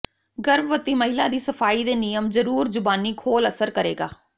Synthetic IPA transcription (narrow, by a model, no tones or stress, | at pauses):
ɡəɾbʋət̪iːməɦɪlaːd̪iːsəfʰaːiːd̪eːnɪjəmzəɾuːɾzʊbaːniːkʰoːləsəɾkəɾḛːɡaː